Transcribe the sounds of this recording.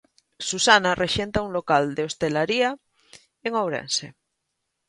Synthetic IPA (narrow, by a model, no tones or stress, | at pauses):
susanareʃent̪aunlokald̪eost̪elaɾia | eŋowɾḛnse